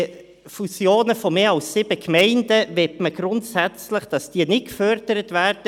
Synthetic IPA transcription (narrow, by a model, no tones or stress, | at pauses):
fusjoːnəfɔmeːɑlssɪb̥əkmɛɪndəʋɛtməɡ̥ɾʊntsæt͡sləχd̥ɑsd̥iːənɪt̚kfœɾd̥əɾətvæːɾd̥ə